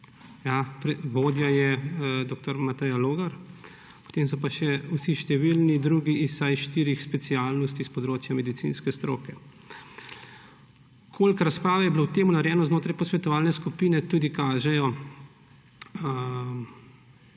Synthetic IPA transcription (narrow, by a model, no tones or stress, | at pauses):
japɾɛʋoːd̪jajɛd̪oːk̚t̪ɔɾmat̪ɛjaloːɡaɾ | pɔ̥t̪eːms̬ɔpaʃɛusiʃt̪ɛʋilnid̪ɾuːɡiisajʃt̪iːɾixspɛt̪siaːlnɔst̪ispɔd̪ɾoːt͡ʃjamɛd̪it̪sḭnskɛst̪ɾo̰ːkɛ | kʰoːlkɾaspɾaːʋɛjɛblowt̪eːmunaɾjɛːnɔznoːt̪ɾajpɔsʋɛt̪ɔʋaːlnɛskupiːnɛt̪uːd̪ikaːʒɛjɔ